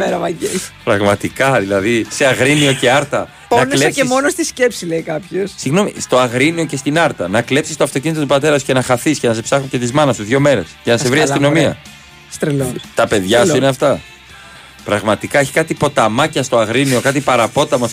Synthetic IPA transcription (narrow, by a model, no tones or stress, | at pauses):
eɾɐmɐɟḛpɾɐɣmɐt̪ikɐðilɐðise̞ɐɣɾinio̞ceɐɾt̪ɐ | ponɐnlseɐpsemo̞nost̪isce̞psileikɐpçossiɣno̞mḭst̪o̞ɐɣɾinio̞ce̞st̪inɐɾt̪ɐnɐkle̞psist̪oɐft̪o̞cinit̪ot̪upɐt̪e̞ɾɐsu̥ce̞nɐxɐθiscenɐs̬epsɐxuce̞t̪izmɐnɐsuðʝo̞me̞ɾe̞scenɐsevɾiɐsino̞miɐ | st̪ɾelot̪ɐpe̞ðʝɐsuineɐft̪ɐ | pɾɐɣmɐt̪ikɐeçi̥kɐt̪ipo̞t̪ɐmɐcɐst̪o̞ɐɣɾinio̞kɐt̪ipɐɾɐpo̞t̪ɐmɐs